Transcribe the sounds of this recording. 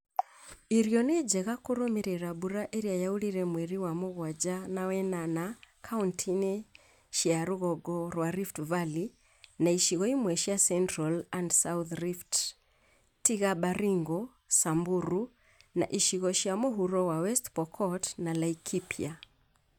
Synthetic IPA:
iɾijɔnɛd͡ʒɛɣakuɾɔmiɾɛɾaɓuɾaʔiɾiajauliɾɛmwɛɾiwamuɣwad͡ʒanawɛnanakʰauntʰinɛ | ʃiaɾuɣɔɡɔɾwaɾiftvali | naiʃiɣɔimwɛʃiasɛntɾalandsauθɾift | tiɣaɓaɾiŋɡɔ | sambuɾu | na̰ʔiʃiɣɔʃiamuɦuɾɔwawɛstpɔkʰɔtnalaikʰipʰia

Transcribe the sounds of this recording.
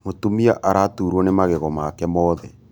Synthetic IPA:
motumiaʔaɾatuɾwɔnemaɣeɣɔmakɛmɔːðɛ

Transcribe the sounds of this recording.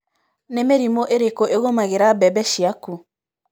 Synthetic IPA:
nemeɾimoʔeɾekoʔeɣomaɣeɾabɛbɛʃiaku

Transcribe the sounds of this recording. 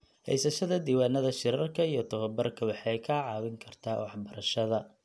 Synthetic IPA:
hɛ̰jsɐʃɐðɐd̪iːwaːnɐðɐʃɪɾɐrkʰɐijɞt̪ʰɐβɐbɐrkʰɐwɑħɑjkʰaːʕɑːwɪŋkʰɐrt̪ʰaːwɑħbɐɾɐʃɐðɐ

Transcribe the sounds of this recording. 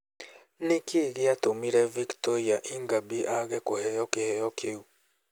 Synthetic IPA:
nekeɣeatomiɾɛviktɔɾiaʔiŋɡabiʔaɣɛkohɛjɔkehɛjɔkʰeu

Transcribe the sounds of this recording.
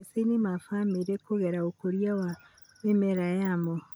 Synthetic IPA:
senimafameɾekoɣɛɾaokoɾjawa | emɛɾajamo

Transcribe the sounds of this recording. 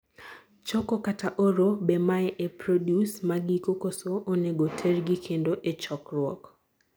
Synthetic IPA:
t͡ʃɔkokataʔoɾobemaɛʔepɾodjusmaɡikokosoʔoneɡotʰerɡɪkʰendoʔet͡ʃɔkrwɔ̰k

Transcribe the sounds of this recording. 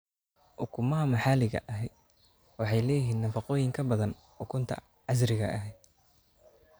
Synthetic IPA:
ʔʊkʰʊmɐɦɐmɐħaːlɪɣɐ̰ʔɐɦɛjd̪ | wɑħɑjlɛːjɪɦiːnnɐfɑqɔːjɪŋkʰɐbɐðɐn | ʔʊkʰʊnt̪ʰɐ̰ | ʕɑs̬ɾɪɣɐ̰ʔɐɦɛjd̪

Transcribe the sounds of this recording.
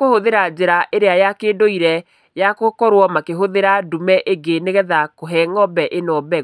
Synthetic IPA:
kohoðeɾad͡ʑeɾaʔeɾeajakeːdoiɾɛ | jakokɔɾwɔmakeɦoðeɾadumɛʔeɡeneɣɛðakoɦɛŋɔbɛʔenɔbɛ

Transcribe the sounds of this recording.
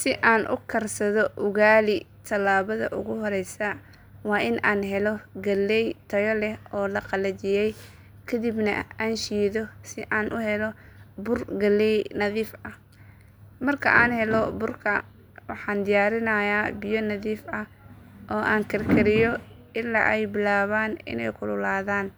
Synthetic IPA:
sɪʔaːnʔʊ̰kʰɐrsɐðɔʔʊɣaːlɪ | t̪ʰɐlaːβɐðɐ̰ʔʊ̰ɣʊɦɔɾɛjsɐ | wɑːʔɪnʔaːnɦɛlɔɡɐlːɛjt̪ʰɐjɔlɛhɔːlɐqɑlɐt͡ʃɪjɛj | kʰɐd̪ibnɐ̰aːnʃiːðɔsɪʔaːnʔʊhɛlɔbʊrɡɐlːɛjnɐðiːfɐ | mɐrkʰɐ̰ʔaːnhɛlɔbʊrkʰɐ | wɑħɑːnd̪ɪjaːɾɪnɐjaːbɪjɔnɐðiːfɐ | ʔɔːʔaːŋkʰɐrkʰɐɾɪjɔ | ʔɪlːa̰ːʔɛjbɪlaːβaːnɪ̰nɛ̰jkʰʊlʊlaːðaːn

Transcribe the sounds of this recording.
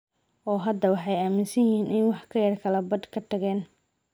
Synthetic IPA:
ʔɔːɦɐd̪ɐwɑħɑjaːmɪnsɐjhiːnʔɪnwɑħkʰɐjɐrkʰɐlɐbɐd̪kʰɐt̪ʰɐɣɛːn

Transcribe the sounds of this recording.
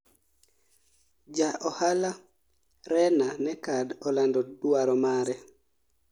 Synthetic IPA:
d͡ʒaʔɔhala | ɾɛnanɛkadɔlandɔduaɾɔmaɾɛ

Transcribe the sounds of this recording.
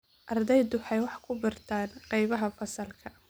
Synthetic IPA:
ʔɐrd̪ɛjd̪ʊħɑjwɑħkʰʊbɪrt̪ʰaːnqɑjβɐɦɐfɐsɐlkʰɐ

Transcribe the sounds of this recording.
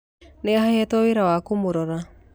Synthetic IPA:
neahaɛtɔweɾawakomoɾɔɾa

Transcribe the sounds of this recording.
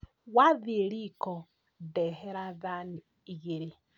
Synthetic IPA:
waðiɾikɔ | dɛɦɛɾaðani | iɣiɾi

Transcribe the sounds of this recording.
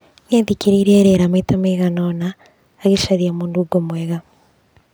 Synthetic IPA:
neðikiɾiɾeɾeɾamaitameɣanonaː | ɣiʃaɾiamuːnduɡomweɣa

